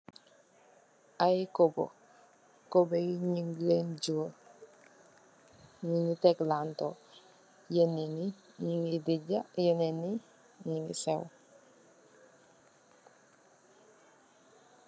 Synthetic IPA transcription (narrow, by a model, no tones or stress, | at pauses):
ajkobo̰ | kobejɲiŋlend͡ʒu | ɲiŋiteklantɔ | jeneni | ɲiŋidiɟajeneni | ɲiŋḭsew